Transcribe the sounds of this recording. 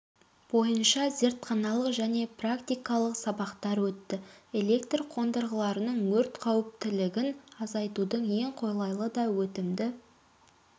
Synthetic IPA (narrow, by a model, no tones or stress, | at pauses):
b̥o̞jənʃɑze̞ɾt̪qʰɑnɑlˠəqʒæne̞prakt̪ijkɑlˠəqsɑbɑqt̪ɑɾwɵt̪ːɪe̞le̞kt̪rqʰo̞nd̪əɾʁəlˠɑɾənəɴwɵɾt̪qʰɑwɪp̚t̪ɪlɪɡʲɪnɑzɑjt̪ud̪əɴje̞ɴqʰo̞jlˠɑjlˠəd̪ɑwɵt̪ɪmd̪ɪ